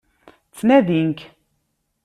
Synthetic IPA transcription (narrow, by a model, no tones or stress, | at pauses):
t͡sːnæðiŋk